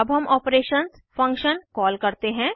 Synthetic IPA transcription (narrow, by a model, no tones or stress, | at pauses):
ɐbɦɐmʔɔːpɾeːʃəns | fɐ̃ŋkʃənkɔːlkɐɾt̪eɦɛ̃ː